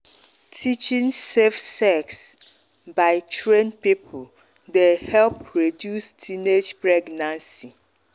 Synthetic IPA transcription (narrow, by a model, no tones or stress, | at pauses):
tʰit͡ʃĩnsefsɛks | baɪtʰɹẽnpipʰʊl | dehɛlpɹedjustʰined͡ʒpɹɛɡnãnsi